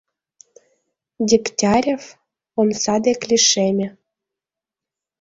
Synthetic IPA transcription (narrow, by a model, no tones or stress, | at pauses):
dʲiktʲɑɾʲef | omsɑd̪eklʲiʃemʲĕ